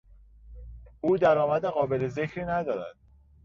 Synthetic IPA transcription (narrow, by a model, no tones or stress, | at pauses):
ʔuːd̪æɾɒːmæd̪eɣɒːbe̞leze̞cʰɾiːnæd̪ɒːɾæ̰d̪̥